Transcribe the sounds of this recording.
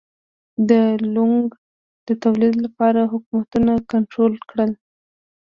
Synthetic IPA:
d̪əluŋɡ | d̪̥ət̪awlid̪lapɑɾaɦʊkumat̪unakaɳʈɾolkɽəl

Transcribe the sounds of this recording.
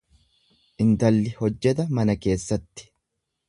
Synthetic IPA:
ʔɪnt̪ɐlːɪhɔd͡ʒːɛt̪ɐmɐnɐke̞ːsːɐt̪ːɪ̥

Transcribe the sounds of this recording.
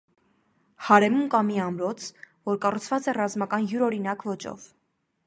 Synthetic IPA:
hɑɾɛmunkɑmiɑmɾɔt͡sʰvɔɾkɑrut͡sʰvɑt͡sɛrɑzmɑkɑnjuɾɔɾinɑkvɔt͡ʃɔ̰v

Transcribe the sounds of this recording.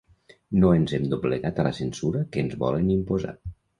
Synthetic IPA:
noenzɛmd̪obləɣat̪ələsənsuɾəkəːnzβɔ̰lənimpoza̰

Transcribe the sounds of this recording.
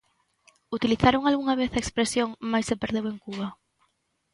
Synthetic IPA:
ut̪iliθaɾoŋalɣuŋaβ̞eθaekspɾesjoŋmajsepeɾðeweŋkuβɐ

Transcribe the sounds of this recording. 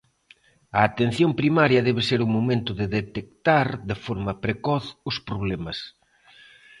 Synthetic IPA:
ɐːt̪en̟θjompɾimaɾjɐðɛβ̞ɪseɾumomẽnt̪ʊðeðet̪ekt̪aɾðefɔɾmɐpɾekɔθʊspɾoβ̞lɛmɐs

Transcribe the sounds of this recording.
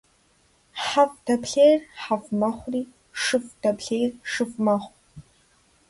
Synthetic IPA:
ħavd̥apʰɬejrħavmaχʷri | ʂɨfd̥apʰɬejrʂɨfmaχʷ

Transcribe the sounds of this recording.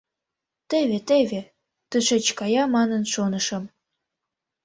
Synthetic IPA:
t̪eβet̪eβe | t̪əʃet͡ɕkɑjɑmɑnənʃonəʃə̆m

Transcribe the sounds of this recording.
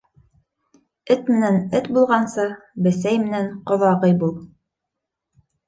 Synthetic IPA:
ɘt̪mɘ̆nænɘt̪bulˠʁɑnsɤbɘ̆sæjmɘ̆nænqŏðɑʁɤjbulˠ

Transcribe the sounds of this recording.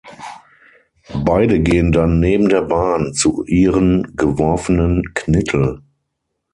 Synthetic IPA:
baɪdəɡeːəndanːeːbm̩deːɐbaːnt͡suʔiːʁənɡəvɔɐfənənkʰnɪtʰl̩

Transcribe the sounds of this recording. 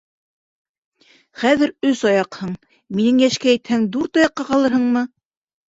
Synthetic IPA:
χæðɘ̆ɾɵsɑjɑqhɤɴ | minɘŋjæʃkææ̆t̪hæŋd̪uɾt̪ɑjɑqːɑqɑlˠɤɾhɤɴmɤ

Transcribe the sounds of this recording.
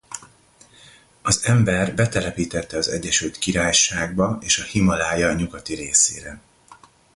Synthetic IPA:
ɒzɛmbɛrbɛt̪ɛlɛpiːt̪ɛt̪ːɛɒzɛ̰ɟːɛʃylt̪kiɾaːjʃaːɡ̚bɒeːʃɒhimɒlaːjɒɲuɡɒt̪iɾeːsḛːɾɛ

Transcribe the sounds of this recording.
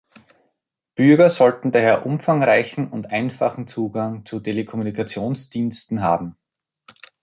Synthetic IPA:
b̥ʏɐɡɐzɔltn̩daːɦeːɐʔʊmfaŋʁaɪçn̩ʊntʔaɪnfa̰χn̩t͡suːɡaŋt͡sutʰelekʰɔmunikʰat͡sjoːnsd̥iːnstn̩ɦa̰ːbm̩

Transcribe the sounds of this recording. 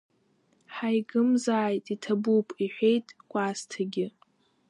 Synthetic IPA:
ħajɡɨmzaːjtʼitʰabupʰʼiħᶣʷejtʼɡʷʼastʰaɡʲɪ

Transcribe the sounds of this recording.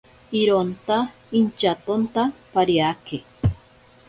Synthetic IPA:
iɾont̪a | int͡ʃat̪ont̪apaɾjake

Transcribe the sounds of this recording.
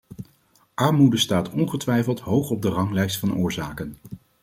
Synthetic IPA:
ʔɑɹmudəstaːtɔnχətʋɛjfəlˠtɦowχɔb̚dərɑŋlɛjstfɑnʔʊːɹzaːkən

